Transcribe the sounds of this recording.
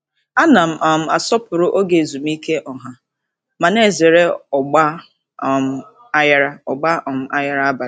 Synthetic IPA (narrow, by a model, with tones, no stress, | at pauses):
a˦na˨m̩˨ʔa˨m̩˨a˨sɔ˦pʊ˨ɾʊ˦ʔo˦ɡe˨zu˨m̩˦i˦ke˦ʔɔ˨ɦa˨ | ma˨ne˦˨ze˨ɾe˦ɔ˨ɡ͡ba˦ | ɔ˨m̩˦ | a˦ja˦ɾa˦ɔ˨ɡ͡ba˦ʔɔ˨m̩˨a˦ja˦ɾa˦ba˨˦